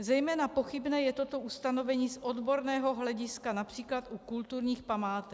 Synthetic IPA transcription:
zɛjmɛːnapo̞xɪbnɛːjɛt̪o̞t̪o̞ʔust̪ano̞vɛɲiːsʔod̪bo̞ɾnɛːɦo̞ɦlɛɟɪskanapr̝̥iːklat̪ʔukult̪uɾɲiːxpamaːt̪ɛk

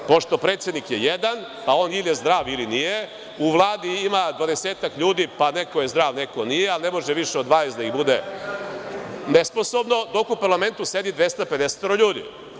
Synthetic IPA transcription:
po̞ʃt̪opɾeːt̪sjed̪nikjejed̪an | pao̞ːniljezd̪ɾaːʋilinije | uʋlˠaːd̪iimad̪ʋad̪eseːt̪akʎuːd̪ipanekojezd̪ɾaːʋnekonijealnemo̞ʒeʋiʃɛo̞d̪ʋaːnesd̪aiɣbud̪e | nesposobno̞d̪o̞kupaɾlame̞nt̪used̪id̪ʋest̪ape̞d̪ese̥t̪oɾoʎuːd̪ḭ

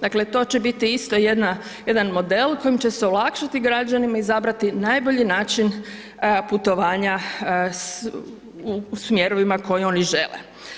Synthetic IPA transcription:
d̪akle̞t̪o̞ːt͡ɕebit̪iist̪o̞jed̪na | je̞d̪anmo̞d̪e̞lˠko̞jimt͡ɕe̞sɛolˠakʃat̪iɡɾad͡ʒanimaizabɾat̪inajbo̞ʎinaːt͡ʃin | put̪o̞ʋaːɲas | usmje̞ɾo̞ʋimako̞jio̞niʒe̞lḛ

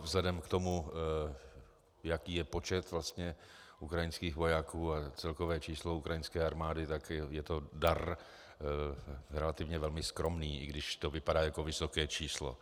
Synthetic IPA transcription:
vzlɛdɛmkt̪o̞mu | jakiːjɛpo̞t͡ʃɛt̪vlast̪ɲɛ | ʔukɾajɪnskiːɣvo̞jakʰuːat͡sɛlkovɛːt͡ʃiːsloukɾajɪnskɛːaɾmaːdɪt̪akjɛt̪o̞daɾ | ɾɛlat̪ɪvɲɛvɛlmɪskɾo̞mniːʔɪɡdɪʃt̪ovɪpadaːjakovɪsokɛːt͡ʃiːslo̰

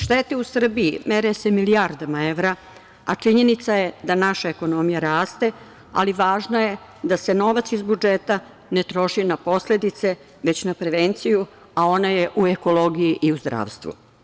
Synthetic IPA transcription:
ʃt̪et̪eusr̩bijimeɾese̞miliaɾd̪amae̞ʋɾa | at͡ʂiɲe̞nit̪saje̞d̪anaʃaeko̞no̞mijaɾaːst̪e̞ | a̰liʋaːʒnaje̞ | d̪ase̞no̞ʋat̪sizbud͡ʒet̪a | ne̞t̪ɾo̞ʃinapo̞sle̞d̪it̪se̞ | ʋe̞t͡ɕnapɾe̞ʋent̪siju | ao̞najeʔueko̞lˠo̞ɡijiʔiuzd̪ɾa̰ːʋst̪ʋṵ

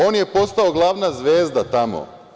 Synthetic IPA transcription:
oːnje̞po̞st̪aoɡlˠaʋnazʋeːzd̪at̪amo̰

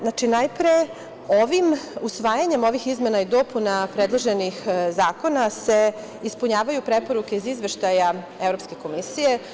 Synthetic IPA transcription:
nat͡ʃinajpɾe | o̞ʋimusʋaːjaɲe̞mo̞ʋixizme̞naid̪o̞punapɾed̪lˠoʒenixzaːko̞nase | ispuɲaːʋajupɾepo̞ɾuke̞izizʋe̞ʃt̪aja | evɾo̞pske̞ko̞misije̞

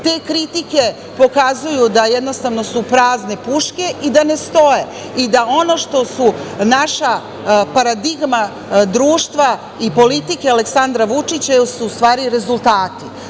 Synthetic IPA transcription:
t̪e̞kɾit̪ike̞ | po̞kazujud̪ajed̪no̞st̪aʋno̞supɾaːzne̞puʃke̞ʔid̪ane̞st̪o̞je | id̪ao̞no̞ʃt̪o̞sunaʃa | paɾad̪iɡma | d̪ɾuːʃt̪ʋa | ipo̞lit̪ikealeksand̪ɾaʋut͡ʂit͡ɕajosuːst̪ʋaːɾiɾe̞zulˠt̪aːt̪i

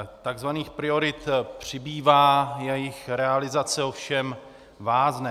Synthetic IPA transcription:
t̪aɡzvaniːxpɾɪo̞ɾɪt̪pr̝̥ɪbiːvaːjɛjɪxɾɛalɪzat͡sɛo̞fʃɛm | vaːznɛ

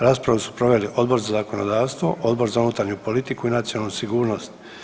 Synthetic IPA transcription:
ɾaːspɾaʋusu̥pɾo̞ʋe̞liʔo̞d̪bo̞ɾzazako̞no̞d̪aːʋst̪ʋo̞̰ʔo̞d̪bo̞ɾzaunut̪aɾɲupo̞lit̪ikuinat̪sionalnusiɡuːɾno̞st̪

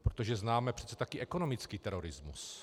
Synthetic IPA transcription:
pɾot̪oʒɛznaːmɛpr̝ɛ̥t͡sɛt̪akɪʔɛkonomɪt͡skiːt̪ɛɾoɾɪzmṵs

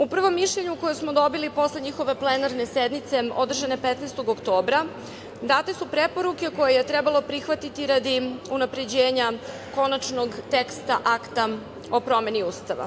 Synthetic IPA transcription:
upr̩ʋo̞mːiʃʎeɲuko̞josmo̞d̪o̞bilipo̞sleɲixo̞ʋe̞plenaɾnesed̪nit̪se̞o̞̰d̪r̩ʒane̞pet̪nest̪o̞ɡokt̪o̞ːbɾa | d̪aːt̪esupɾe̞po̞ɾuke̞ko̞jeje̞t̪ɾebalˠo̞pɾixʋat̪it̪iɾad̪iunapɾe̞d͡ʑeːɲa | ko̞nat͡ʃno̞ɡt̪ekst̪aʔakt̪a | o̞pɾo̞me̞niuːst̪aʋa̰

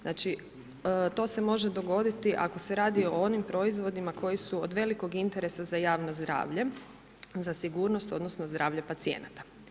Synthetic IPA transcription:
znaːt͡ʃi | t̪o̞ːse̞mo̞ʒed̪o̞ɡo̞d̪it̪iʔa̰ko̞se̞ɾaːd̪io̞onimpɾo̞izʋo̞d̪imakʰo̞jisuod̪ʋe̞liko̞ɡint̪e̞ɾe̞sazajaːʋno̞zd̪ɾa̰ːʋʎe̞ | zasiɡuːɾno̞st̪o̞d̪no̞sno̞zd̪ɾaːʋʎepat̪siḛnat̪ḁ

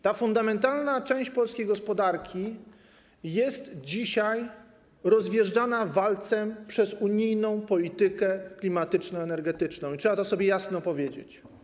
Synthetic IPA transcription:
t̪afund̪amɛnt̪alnat͡ʂɛ̃w̃ɕt͡ɕpɔlskʲejɡɔspɔd̪aɾkʲi | jɛst̪d͡ʑiɕaj | ɾɔzvʲjɛʐd͡ʐanavalt̪sɛmpʂɛzuɲijnɔ̃w̃pɔlʲit̪ɘkɛklʲimat̪ɘt͡ʂnɔɛnɛɾɡɛt̪ɘt͡ʂnɔ̃w̃itʂɛbat̪ɔsɔbʲjɛjasnɔpɔvʲjed͡ʑḛt͡ɕ

